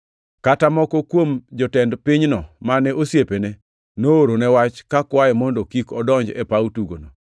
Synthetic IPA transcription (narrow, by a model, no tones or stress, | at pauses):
katamɔkɔkwomd͡ʒɔtɛndpiɲnɔmanɛʔosjepene | nooɾonɛwat͡ʃkakwaɛmɔndokikɔdɔɲd͡ʒɛ̰pautuɡono